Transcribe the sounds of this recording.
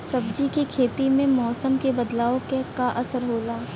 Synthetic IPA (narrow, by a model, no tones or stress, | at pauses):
sɐbd͡ʒikikʰeːt̪imẽmɔːsəmkebɐd̪laːokekaʔɐsəɾɦoːlaː